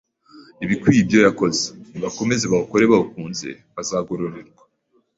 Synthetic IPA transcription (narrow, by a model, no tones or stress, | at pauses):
iβikwibjo̞jako̞ze̥niβako̞me̞zeβauko̞ɾe̞βaukuːnze̞̰ | βazaɡoɾoɾeɾɡwḁ